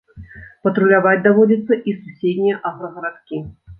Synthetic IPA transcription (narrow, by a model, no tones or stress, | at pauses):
pɐt̪ɾulʲavad͡zʲd̪avɔd͡zʲɐt̪sːɐʔisusʲed̪ʲnʲijɛʔaɣɾɐɣɐɾat̪kʲi